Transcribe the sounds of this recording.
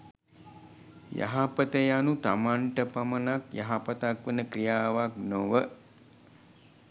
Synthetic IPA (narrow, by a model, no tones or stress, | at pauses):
ja̰ɦapət̪əjanut̪amaɳʈəpamənakja̰ɦapət̪akʋənəkrijaːʋaknoʋə